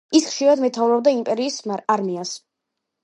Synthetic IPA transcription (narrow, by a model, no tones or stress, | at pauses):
isχʃiɾad̪mɛt̪ʰavɾɔb̚d̪aimpʼɛɾiːsaɾmias